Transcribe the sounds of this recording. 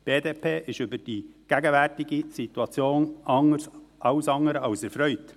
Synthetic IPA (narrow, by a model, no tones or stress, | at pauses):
b̥eːd̪eːpʰeːʔɪʃʏbəɾd̥iɡ̥æɡəʋærtɪɡisit̪wɑt͡sjoːnʔɑŋəɾsʔɑʊsɑŋəɾəɑʊsɛɾfɾœʏt